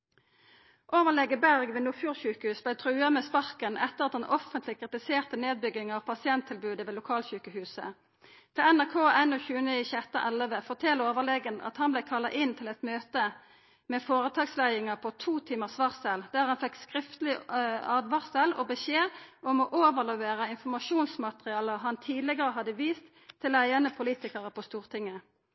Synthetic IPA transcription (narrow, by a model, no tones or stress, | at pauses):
ʔoːʋəʁlɛɡəbæʁɡʋɛːnuːfjuːʁçʉːkəhʉːsblæɪt̪ʰʁʉːɑmɛːspɑʁkənʔɛt̪ːəʁɑt̪̚d̪ɛnʔɔfənt̪lɪkʰʁɪt̪ɪseːʁt̪əneːd̪̚bʏɡɪŋɑʋpʰɑsɪɛnt̪ʰːɪlbʉːd̪əʋeːlʊkʰɑːlçʉːkəhʉːsə̰ | t̪ʰɪlænæʁkʰoːʔɛnoːçʉːəniçəɛt̪ːɑʔɛləʋəfɔt̪ʰɛloːʋəlɛɡənʔɑ̰t̪hɑnblæɪkʰɑlːɑ̰ʔɪnt̪ʰɪlɛt̪møːt̪ə | mɛːfoːʁət̪ʰɑːɡslæɪɪŋəpʰɔt̪ʰuːt̪ʰiːməʁsʋɑʁsɛld̪̥æːʁhɑnfɛkskʁɪft̪əlɪɑːd̪ʋɑʁsɛlɔbəçeːʔɔmoːʔoːʋəʁlɛʋeːʁəɪnfɔmɑʃuːnsmɑt̪əʁɪɑːləʁɦɑnt̪ʰiːd̪lɪɡəʁəɦɑd̪əʋiːst̪ʰː | ɪlæɪənəpʰʊliːt̪ɪkəʁəpʰɔst̪uːʁt̪ʰɪŋːə